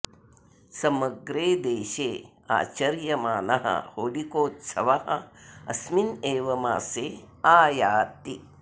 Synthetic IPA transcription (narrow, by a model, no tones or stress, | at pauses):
sɐmɐɡɾeːd̪eːʃeː | a̰ːt͡ʃɐɾjɐmaːnɐɦɐ̰hoːlikoːt̪sɐʋɐɦɐ̰ɐsmineːʋɐma̰ːseː | aːjaːt̪i